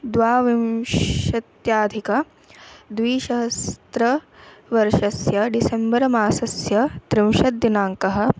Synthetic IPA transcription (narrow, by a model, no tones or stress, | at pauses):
d̪ʋaːʋimʃɐt̪jaːd̪ʱikɐ | d̪ʋiːʃɐɦɐst̪ɾɐʋɐɾʃɐsjɐɖisembɐɾɐmaːsɐsjɐt̪ɾimʃɐd̪inaːŋkɐɦɐ̆